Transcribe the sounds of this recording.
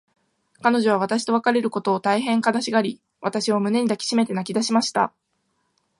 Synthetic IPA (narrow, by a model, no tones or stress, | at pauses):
kano̞ʑo̞β̞aβat̪aɕi̥t̪o̞βakaɾe̞ɾɯ̟ko̞t̪o̞ːt̪aiɦẽ̞ŋkanaɕiɡaɾʲi | βat̪aɕio̞mɯ̟ne̞ɲ̟id̪akʲi̥ɕime̞t̪e̞nakʲid̪aɕimaɕi̥t̪a̰